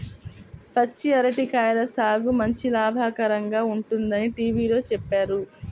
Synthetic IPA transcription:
pɐt͡ʃːiɐɾɐʈikaːjɐlɐsaːɡumɐɲt͡ʃilaːbʱaːkɐɾɐŋɡaːuɳʈund̪ɐniʈiːʋiːlo̞ːt͡ʃɛpːaːɾu

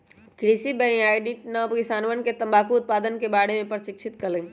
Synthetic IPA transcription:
kɾisibɛ̃ĩaːɪɖĩʈnɐpkɪsaːnʋənket̪ɐ̃mbaːkuʊt̪̚paːd̪ənkebaːɽemẽpɾʃɪkʃʰɪt̪kɐlẽː

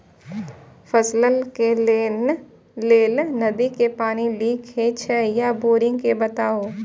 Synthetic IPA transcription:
fʰəsləlke | leːlnɐd̪ikepaːniliːkʰɦet͡ʃʰɛjaboːɾɪ̃ŋɡkebɐt̪aːo

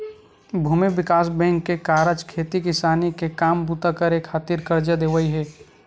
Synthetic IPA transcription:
bʱuːmebɪkaːsbɛ̃ːŋkːekaːɾəd͡ʒkʰeːt̪ikɪsaːnikekaːmbut̪akəɾekʰːaːt̪iːɾkəɾd͡ʒad̪eːʋəiɦɛː

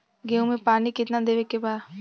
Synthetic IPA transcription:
ɡeũmẽpaːnikɪt̪nad̪eːʋekebaːd

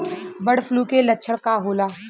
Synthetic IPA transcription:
bəɽ̤fʰluːkelɐtːʃʰəɽkaɦoːlaː

